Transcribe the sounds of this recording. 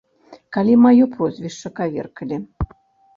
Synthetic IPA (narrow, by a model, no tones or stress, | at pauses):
kalʲimajɔpɾɔzʲvʲiʂt͡ʂːɐkavʲḛrkəlʲi